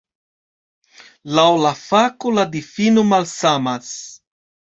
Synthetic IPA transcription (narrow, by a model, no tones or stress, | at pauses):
lawlafakolad̪ifinomalsamas